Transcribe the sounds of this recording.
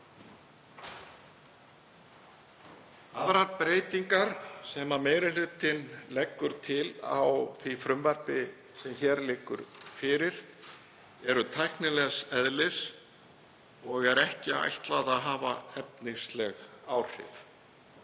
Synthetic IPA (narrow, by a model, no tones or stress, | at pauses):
aðɾaɾpɾeːjt̪iŋkaɾsɛmameːjɾɪlʏt̪ɪnlɛkːʏɾ̥t̪ʰɪla̰wθifɾʏmvɛɾpɪ | sɛmçɛːɾlɪːkːʏ̰ɾfɪɾɪɾ̥ | ɛɾʏt̪ʰajhknɪlɛɣsɛðlɪs | ɔɣɛɾɛhcɪa̰jht̪laðaðɦaːvaɛp̚niŋslɛɣ | aːwr̥ɪ̰f